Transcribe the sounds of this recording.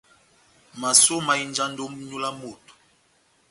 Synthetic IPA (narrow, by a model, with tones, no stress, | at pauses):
ma˨so˦ma˨i˦nd͡ʒa˦ndo˦m˦ɲu˦la˦mo˨t